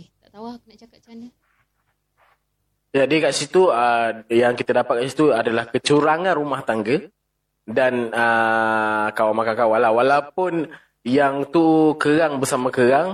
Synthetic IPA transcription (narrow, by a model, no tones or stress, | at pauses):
jadiəkaʔsit̪uəjaŋkit̪adapat̪̚kaʔsit̪uadalahkət͡ʃuɾaŋãnɾumaht̪aŋɡə | danə | kawamakaŋkawalawalapʊn | jaŋt̪ukəɾaŋbərsamãkəɾaŋ